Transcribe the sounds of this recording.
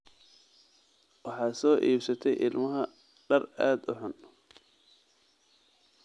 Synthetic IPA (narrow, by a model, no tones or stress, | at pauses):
wɑħɑːsɔːʔiːbsɐt̪ʰɛjʔɪlmɐɦɐ | ɖɐraːd̪ʊħʊn